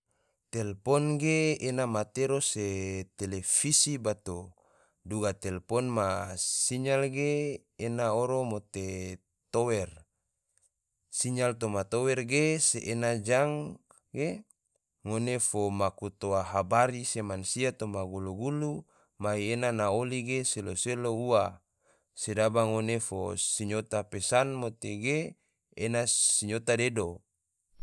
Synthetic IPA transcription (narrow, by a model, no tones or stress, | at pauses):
t̪ɛlpɔnɡeenamat̪eɾoset̪elefisibat̪o | duɡat̪ɛlpɔnmasiɲalɡeː | naoɾomot̪e | t̪owɛr | siɲalt̪omat̪owɛrɡeseʔːnad͡ʒaŋ | ɡe | ŋonefomakut̪oaɦabaɾisemansiat̪omaɡuluɡulu | maienanaoliɡeseloseloua | sedabaŋonefo̰siɲot̪apesanmot̪eɡeː | nasiɲot̪adedo